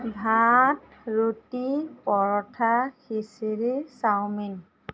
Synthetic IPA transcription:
ɡʱat̚ɹutipɔɹɔtʰaxisiɹisawmin

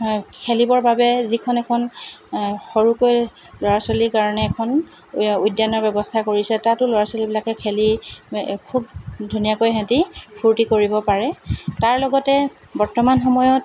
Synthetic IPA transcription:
kʰelibɔɹbabɛzikʰɔnɛkʰɔn | xoɹukoj | lɔɹasɔlikaɹɔnɛːkʰɔn | ujdjanɔɹbɛbɔstʰakoɹisɛtatʊlɔɹasolibilakɛkʰeli | kʰub̚dʱunijakojɦãtipʰuɹtikoɹibɔpaɹɛtaɹlɔɡɔtɛ | bɔɹtɔmanxɔmɔjɔt̚

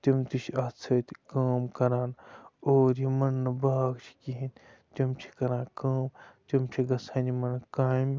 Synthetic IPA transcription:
t̪imt̪it͡ʃʰɐt͡sʰɐt̪ʲkaːmkɐɾaːnoːɾjimɐnːɨbaːɡt͡ʃʰi̥kiɦinʲ | t̪imt͡ʃʰi̥kɐɾãːkaːmt̪ʲimt͡ʃʰiɡɐsʰaːnimɐnkaːm

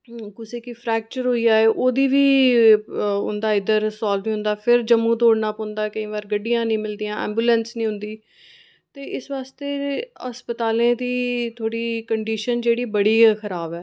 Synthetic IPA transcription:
kʊseːkɪpʰɾɛːk̚t͡ʃəɾɦoːijaːeːʔoːd̪iːʋiː | ʊ̰nd̪aːɪd̪əɾsaːlʋiːɦʊ̃nd̪aːpʰɪɾd͡ʒəmũːt̪oːɽnaːpõːnd̪aːɛkəĩːʋaːɾɡəɖːijãːnĩːmɪld̪ijãːɛ̰ːmbjuːlɛ̃nsnĩːɦʊ̃nd̪iː | t̪eːʔɪsʋaːst̪eːəspət̪aːlẽːd̪iːt̪ʰoːɽiːkəɳɖiːʃənd͡ʒeːɽiːbəɽiːxʰəɾaːbɛː

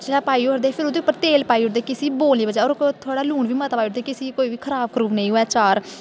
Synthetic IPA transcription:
d͡ʒeːɽaːpaːiːoɾd̪eːpʰɪɾod̪eːʊpːəɾt̪eːlpaːiːoɾd̪eːkɪsiːboːlnĩːbəd͡ʒaːɔːɾt̪ʰoːɽaːluːɳʋiːmət̪apaːiʊɾd̪eːkɪsiːkoːiːʋiːkʰəɾaːb̚kʰɾuːʋnəĩːɦoːɛːt͡ʃaːɾ

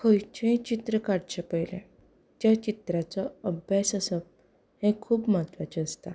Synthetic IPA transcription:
kʰəjt͡ɕẽt͡ɕit̪ɾəkaɽt͡ɕepəjlɛ̰̃ | t̪jat͡ɕit̪ɾat͡sɔəbʱjasəsɔp̚ | hẽkʰuːbmat̪ʋat͡ɕeəst̪a

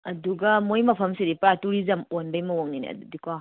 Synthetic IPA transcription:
ɐduɡɐmojmɐpʰɐmsedipɾatuɾizɐmonbɐjmɐwoŋninḛɐ̰dudikʰɔ

